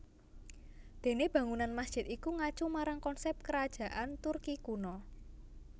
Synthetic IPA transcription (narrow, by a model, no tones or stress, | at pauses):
d̪̥e̤neb̥ä̤ŋunanmasd̥ʒ̥ɪ̤t̪ikuŋat͡ʃumaɾaŋkɔnsɛp̚kəɾad̥ʒ̥a̤ʔant̪urkikunɔ